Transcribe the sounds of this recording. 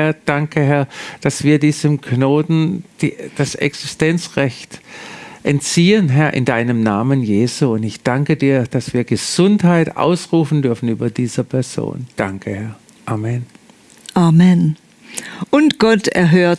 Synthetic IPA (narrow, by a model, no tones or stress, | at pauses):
hɐd̥aŋkʰəɦɛɐd̥asv̥iːɐdiːzəmknoːtn̩d̥id̥asɛ̰ksɪstɛnt͡sʁɛçtʔɛntt͡siːənɦɛɐʔɪ̰ndaɪnəmnaːmənjeːzuʊntɪçd̥aŋkədiːɐd̥asv̥iːɐɡəz̥ʊnthaɪta̰ʊsʁuːfn̩dʏɐfn̩yːbɐdiːz̥ɐpʰɛɐz̥o̰ːnd̥aŋkʰəhɛɐ | ʔaːmɛn | ʔaːmɛn | ʔʊntɡ̥ɔtɛ̰ɐɦøːɐt